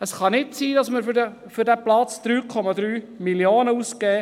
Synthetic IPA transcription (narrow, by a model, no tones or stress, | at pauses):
əsχɑnɪtsiːdɑsməɾfə | fʏɾdæplɑt͡sd̪̥ɾyːkʰɔmɑd̪ɾyː | miljoːnəuskɛː